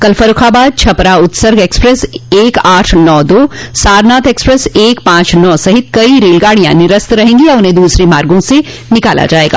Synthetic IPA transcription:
kɐlfɐɾʊkʰaːbaːd̪̚t͡ʃʰɐpɾaʊt̪səɾɡɛːkspɾɛseːkaːʈʰnɔːd̪oːsaːɾnaːt̪ɛːkspɾɛseːkpãːt͡ʃnɔːsɐɦɪt̪̚kɐiɾeːlɡaːɽijã̰nɪɾəst̪ɾɐɦẽːŋɡijaʊnɦẽd̪uːsɾemaːɾɡõse | nɪkaːla̰d͡ʒaːeːɡa̰ː

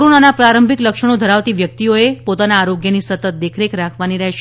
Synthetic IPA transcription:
ɾonanapɾaɾəmbʱikləkʃəɽ̃od̪ʱəɾaʋt̪iʋjək̚t̪ioepot̪anaːɾoɡjənisət̪ət̪̚d̪ekʰɾekɾakʰʋaniɾɛɦʃ

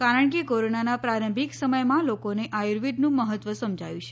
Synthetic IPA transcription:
kaɾəɳkekoɾonanapɾaɾəmbʱiksəməjmãlokoneʔajɾʋiɖnũməɦət̪ʋəsəmd͡ʒʱajũt͡ʃʰe̥

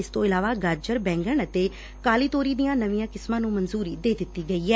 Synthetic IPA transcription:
ɪst̪õːɪlaːʋaːɡaːɾd͡ʒəɾbɛ̃ːŋɡəɳət̪eː | kaːliːt̪oːɾiːd̪ijãːnəʋĩjãːkɪsmãːnũːmənzuːɾiːd̪eːd̪ɪt̪ːiːɡəiːɛː

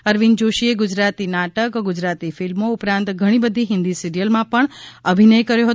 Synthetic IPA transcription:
əɾʋind͡ʒoʃieɡʊd͡ʒɾat̪inaʈəkɡud͡ʒɾat̪ifilmoupɾãnt̪ɡʱəɽ̃ibəd̪ʱiɦɪ̃nd̪isiɾijəlmãpəɳəbʱinəjkəɾjoɦət̪

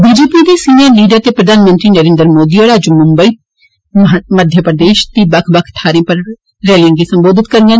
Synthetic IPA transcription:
biːd͡ʒeːpiːd̪iːsiːnəɾniːɖaːt̪eːpɾəd̪ʱaːnmə̃nt̪ɾiːnəɾẽːnd̪əɾmoːd̪iːɔːɽaːd͡ʒumʊmbəiː | məd̪ʱjəpɾəd̪eːʃd̪iːbəkʰbəkʰʈʰaːɾẽːpəɾ | ɾɛːlɪ̃ɡiːsəmboːd̪ɪt̪kəɾɡan

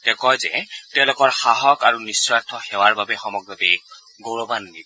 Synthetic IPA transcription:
tɛkɔjzɛ̰tɛʊ̃lʊkɔɹxaɦɔkaɹunisɹatʰːɔxɛwaɹbabɛxɔmɔɡɹɔbɛ | ɡoɹɔbanːib

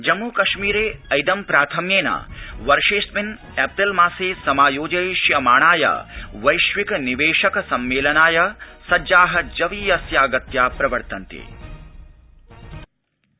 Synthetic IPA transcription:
d͡ʒɐmːuːkɐʃmiːɾeːɐjd̪ɐmpɾaːt̪ʰɐmjeːna̰ːʋɐɾʃeːsmin | ɛːp̚t̪ɐlmaːseːsɐmaːjoːd͡ʒɐjʃjɐmaːɳ̃aːjɐ̰ʋɐjʃʋikɐniʋeːʃɐkɐsɐmːeːlɐnaːjɐsɐd͡ʒaːɦɐd͡ʒɐʋiːjɐsjaːɡɐt̪jaːpɾɐʋɐɾt̪ɐnt̪ḛː

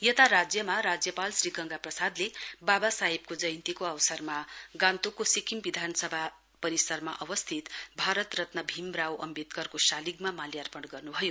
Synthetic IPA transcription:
jet̪aɾad͡zjʌmaɾad͡zjʌpalsriɡʌŋɡaprʌsad̪lebabasaɦib̚kod͡zʌjnt̪ikoʌwsʌrmaɡãnt̪ukosikʰimbid̪ʱanʌsʌbʱa | pʌɾisʌrmaʔʌwʌst̪ʰit̪bʱaɾʌt̪rʌt̪nʌbʱimrawʔʌ̰mbit̪kʌrkosaliɡmamaljarpʌɽɡʌrnubʱʌjo

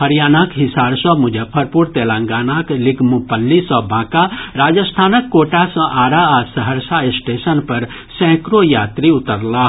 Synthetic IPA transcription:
ɦəɾjaːnakɦɪsaːɾsɔ̃mʊd͡ʒʱəpʰəɾpuɾt̪eːlãŋɡaːnaːklɪɡmupəlːisɔbʱãːkaɾaːd͡ʒəst̪ʰaːnəkːoːʈasə̃ʔaːɾaasəɦəɾsaɪsʈeːsənpɐɾ | sɛ̃ːkɾojaːt̪ɾiʊt̪əɾlaː

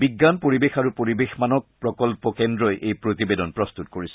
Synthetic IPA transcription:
biɡːanpoɹibexaɹupoɹibexmanɔk̚pɹɔkɔlpɔkɛndɹɔjʔejpɹotibedɔnpɹɔst̪ut̚koɹisɛ

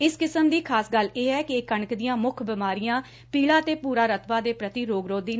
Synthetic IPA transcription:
ɪskɪsəmd̪iːkʰaːsɡəleːɛːkɪekəɳəkd̪ɪjãːmʊkʰbɪmaːɾijãː | piːɭaːt̪eːpuːɾaːɾət̪ʰʋaːd̪eːpɾət̪iːɾoːɡɾoːd̪iːn

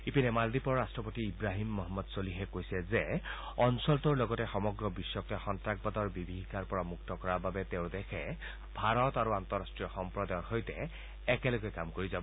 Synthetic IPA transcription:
ipinɛmaldipɔɹɹastɹɔpotiːbɹaɦimːɔɦɔmːɔdsoliɦɛkojsɛzɛ | ɔnsɔltuɹlɔɡɔtɛxɔmɔɡɹɔbisːɔktɛxɔntak̚bɔtɔɹbibʱiɦikaɹpɔɹamuk̚tɔkɔɹababɛteʊ̃dɛkʰɛ | bʱaɹɔtaɹuant̪ɔɹastɹijɔxɔmpɹɔdajɔxojtɛː | kɛlɔɡɛkamkoɹizabɔ

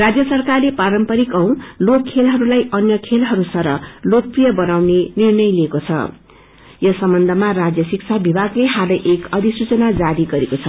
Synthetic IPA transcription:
rad͡zjʌsʌrkarlepaɾʌmpʌɾikʌw̃lokkʰːelɦʌɾulajʔʌnjʌkʰelɦʌɾusʌɾʌ̰lok̚prijʌbʌnawnenirnʌjliekot͡sʰʌ̰ | jʌsʌmbʌnd̪ʱʌmarad͡zjʌsikt͡sʰabibʱaɡleɦalʌjʔekʌd̪ʱisut͡sʌnad͡zaɾiɡʌɾekot͡sʰʌ

